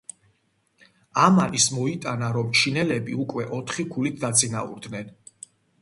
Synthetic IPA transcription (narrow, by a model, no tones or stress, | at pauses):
amanismɔit̪ʼanaɾɔmt͡ʃʰinɛlɛbiukʼwɛʔɔt̪ʰχikʰulit̪̚ʰd̪at̪sʼinaṵɾd̪nɛn